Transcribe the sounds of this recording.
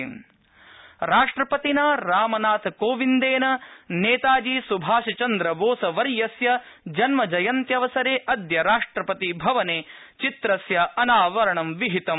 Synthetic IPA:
ɾaːʂʈɾɐpɐt̪inaːɾaːmɐnaːt̪ʰkoːʋind̪eːnɐneːt̪aːd͡ʒiːsubʱaːʂɐt͡ʃɐnd̪ɾɐʋoːsɐʋɐɾjɐsjɐ | d͡ʒɐnmɐd͡ʒɐjɐnt̪jɐʋɐsɐɾeːʔɐd̪jɐɾaːʂʈɾɐpɐt̪ibʱɐʋɐneː | t͡ʃit̪ɾɐsjɐɐnaːʋɐɾɐɳɐmʋiɦit̪ɐm

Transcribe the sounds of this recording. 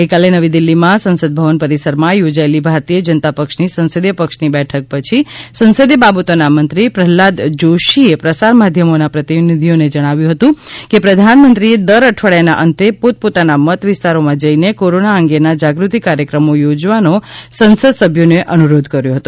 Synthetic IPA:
ɡəjkalenəʋid̪ilːimãsə̃nsəd̪̚bʱəʋənpəɾisəɾmãjod͡ʒaelibʱaɾt̪ijəd͡ʒənət̪apəkʃnisə̃nsəd̪jəpəkʃnibɛʈʰək̚pət͡ʃʰisənsəd̪jəbabət̪onamənt̪ɾipɾəɦlad̪d͡ʒoʃiepɾəsaɾmad̪ʱjəmonapɾət̪inid̪ʱijoned͡ʒəɽ̃aʋjũɦət̪ũkepɾəd̪ʱanmənt̪ɾied̪əɾəʈʰʋəɭjanaʔənt̪epot̪̚pot̪anamət̪ʋɪst̪aɾomãd͡ʒəinekoɾonaəŋɡenad͡ʒaɡɾut̪ikːaɾjəkɾəmojod͡ʒʋanosənsəd̪səbʱjoneʔənuɾod̪ʱkəɾjõɦət̪ũ

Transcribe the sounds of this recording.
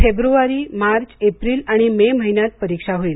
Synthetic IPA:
febɾuʋaɾiːmaɾt͡ɕepɾiːlaɽ̃imeməɦinjat̪̚pəɾikʂaɦoiːl

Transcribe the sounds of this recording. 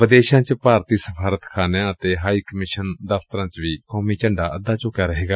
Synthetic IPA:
ʋəd̪eːʃãːt͡ʃpaːɾt̪iːsəpʰaːɾət̪kʰaːnjãːət̪eːɦaːiːkəmɪʃənd̪əft̪əɾãːt͡ʃʋiːkɔːmiːt͡ʃəɳɖaːʔəd̪aːt͡ʃʊkjaːɾəɦeːɡaː

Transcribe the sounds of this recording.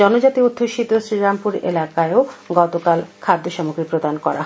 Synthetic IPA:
ɔnod͡ʑat̪iod̪ʱːoʃit̪osɾiɾampuɾḛlakaeoɡɔt̪okalkʰad̪ʱːoʃɔmokɾipɾod̪ankɔɾa̰ɦ

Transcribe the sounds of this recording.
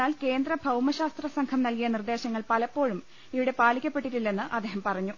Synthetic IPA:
aːlke̞ːnd̪rɐbʱɐwmɐɕaːst̪rɐsɐŋkʰɐmnɐlkijɐnird̪e̞ːɕɐŋːɐɭpɐlɐpːo̞ːɻum | iʋiɽe̞paːlikʲːɐpːe̞ʈːiʈːilːenːɨʔɐd̪ːeɦɐmpɐrɐɲːu

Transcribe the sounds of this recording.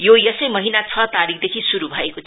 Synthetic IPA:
jojʌsʌjmʌɦinat͡sʰʌt̪aɾikʰd̪ekʰisuɾubʱʌekot͡sʰ

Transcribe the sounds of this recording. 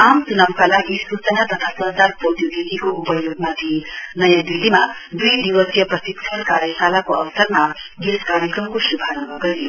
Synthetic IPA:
aːmsunɐmkɐlaːɡisɾut͡ʃɐnat̪ɐt̪ʰasɐɾd̪aːɾpot̪juɡikikuupɐjoːɡ̚mad̪ʱjinɐjad̪ilːima | d̪uid̪iʋɐsjɐpɾɐsit̪ːʰɐlkaːɾjɐsaːlakuɐʋsɐɾmaɡeskaːɾjɐkɾɐmkuʃubʱaːɾɐbɐɡɐliu

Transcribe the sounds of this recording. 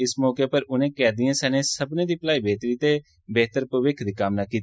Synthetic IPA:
ɪsmɔːkeːpəɾʊnẽːkɛːd̪ijãːsɛːnẽːsəbnẽːd̪iːpəlaːiːbeːt̪ɾiːt̪eː | beːt̪əɾpəʋɪkʰd̪iːkaːmnaːkiːt̪

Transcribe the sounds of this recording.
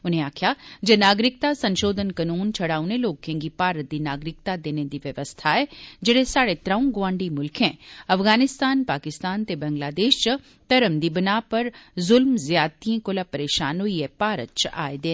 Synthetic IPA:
ʊnẽaːkʰjad͡ʒɐnaːɡɾɪk̚t̪asɐ̃nʃoːd̪ʱənkɐnuːnt͡ʃʰɐɽaːunẽloːkʰẽːŋɡipaːɾət̪̚d̪inaːɡɾɪk̚t̪ad̪eːned̪iʋjɐʋəst̪ʰaɦɛd͡ʒeɽesaːɽet̪ɾaːũɡʋãːɳɖimʊlkʰɛ̃ːɐfɣaːnɪst̪aːnpaːkɪst̪aːnt̪ebɐ̃ŋɡlaːd̪eːʃt͡ʃɐ | t̪ɐɾəmd̪ibənaːpɐɾzʊlmzjaːt̪iẽkolapɐɾeːʃaːnoiepaːɾə̰tt͡ʃa̰ːed̪eː

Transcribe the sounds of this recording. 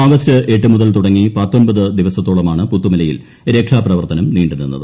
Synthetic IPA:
oːɡɐstɨʔe̞ʈːɨmuðɐlt̪uɽɐŋːipɐt̪ːonbɐðɨd̪iʋɐsɐt̪ːoːɭɐmaːɳɨput̪ːumilɐjḭl | ɾekʂaːprɐʋɐrt̪ɐnɐmniːɳɖinunːɐ̰ðɨ

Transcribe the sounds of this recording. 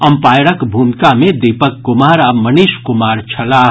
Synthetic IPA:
ɐmpaːjɽəkbʱuːmkamẽd̪ipəkːʊmaːɾamɐniʃkʊmaːɾt͡ʃʰɐlaː

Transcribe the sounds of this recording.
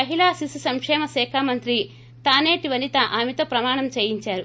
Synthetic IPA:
ɐɦilaːsisusɐŋkʂɛːmɐsɛːkʰaːmɐnt̪ɾi | t̪aːneːʈiʋɐnit̪ɐʔaːmet̪o̞ːpɾɐmaːɳɐmt͡ʃeːjiɲt͡ʃaːɾu

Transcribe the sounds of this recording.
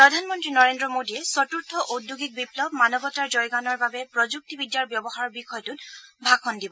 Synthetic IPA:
pɹɔdʱanmɔntɹinɔɹendɹɔmodijɛsɔtuɹtʰɔʔodʱːuɡik̚biplɔbmanɔbɔtaɹzɔjɡanɔɹbabɛpɹɔd͡ʒuk̚tibidjaɹbjɔbɔxaɹɔɹbixɔjtutbʱakʰɔndibɔ

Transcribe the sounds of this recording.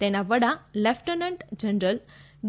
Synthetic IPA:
t̪ɛ̃naʋəɽalɛfʈənəɳʈd͡ʑənɾəl | ɖ

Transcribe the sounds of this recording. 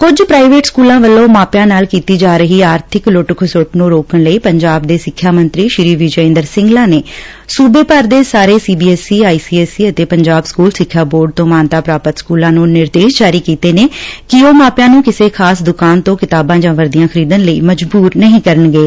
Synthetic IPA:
kʊd͡ʒpɾaːiʋeːʈskuːlãːʋəlːõːmaːpjãːnaːlkiːt̪iːd͡ʒaːɾəɦiːaːɾt̪ʰɪklʊʈkʰʊsʊʈnũːɾoːkəɳləiːpəɲd͡ʒaːb̚d̪eːsɪkʰːjaːmənt̪ɾiːʃɪɾiːʋɪd͡ʒɪ̃ːnd̪əɾsɪ̃ŋɡlaːneː | suːbeːpəɾd̪eːsaːɾeːsiːbiːɛːsiːaːiːsiːɛːsiːət̪eːpəɲd͡ʒaːbskuːlsɪkʰːjaːboːɾɖ̚t̪õːmaːnt̪aːpɾaːpət̪skuːlãːnũːnɪɾd̪eːʃd͡ʒaːɾiːkiːt̪eːneːkɪoːmaːpjãːnũːkɪseːkʰaːsd̪ʊkaːnt̪õːkɪt̪aːbãːd͡ʒãːʋəɾd̪ijãːkʰəɾiːd̪ənləiːməd͡ʒbuːɾnəɦĩːkəɾənɡeː

